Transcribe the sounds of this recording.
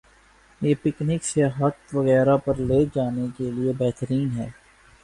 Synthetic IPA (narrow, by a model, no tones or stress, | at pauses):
jeːpɪknɪkseɦɐt̪ʋɐɣɛːɾapɐɾleːd͡ʒaːnekeliebɛɦt̪əɾiːnɦɛː